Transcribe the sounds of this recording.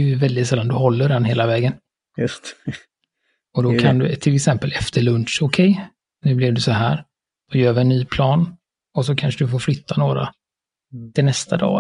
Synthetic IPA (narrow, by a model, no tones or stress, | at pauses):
jvɛld̪ɪt̪sɛlːand̪ɵhɔlːəɖɛnɦeːlavɛːɡən | j̪ | ɔd̪ɔkʰand̪ɵt̪ʰɪlɛksɛmpəlɛft̪ʰəɭɵnʂʊkʰɛj | nʉ̟ːblɪvd̪ɵsɔɦæ̰ːɾ | d̪̥ɔjœːɾvɪɛnːyːpʰlɑːn | ɔsɔkʰanʂəd̪ɵfoːɾflʏt̪ʰːanoːɾa̰ | t̪ʰɪlnɛst̪ʰad̪ɑ̰ː